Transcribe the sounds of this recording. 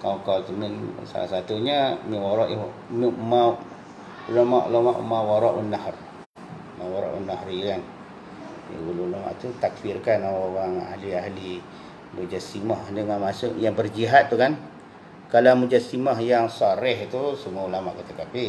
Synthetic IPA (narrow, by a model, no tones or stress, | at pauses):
kakalt̪əminsa̰lasat̪uɲamiwaɾɔʔmima | ulamaʔṵlamaʔṵmawaɾɔʔunːahr | mawaɾɔ̰ʔṵnːaɦrkan̰ | ululama̰ʔt̪ut̪akfirkanaawaŋa̰hliaɦli | mud͡ʒasimahdəŋanmasʊʔjaŋbərd͡ʒiɦat̪̚ːukan | kalamud͡ʒasimahjaŋsaɾɛht̪usəmuaulama̰ʔkat̪akapɪ